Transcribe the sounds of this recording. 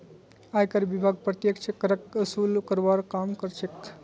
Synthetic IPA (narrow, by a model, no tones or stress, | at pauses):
ajkəɾbibʱaɡ̚pɾət̪jekt͡ʃʰekəɾəkəsulkəɾbaɾkamkəɾt͡ʃʰek